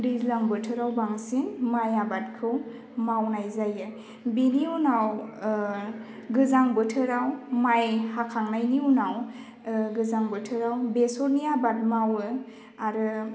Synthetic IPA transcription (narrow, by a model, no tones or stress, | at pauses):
dizlaŋbɯtʰɯɾawbaŋsinmajabat̚kʰɯw | mawnajzajɯ | biniunaw | ɡɯzaŋbɯtʰɯɾawmajhakʰaŋnajniunaw | ɡɯzaŋbɯtʰɯɾawbesɔɾniabat̚mawɯ | aɾɯ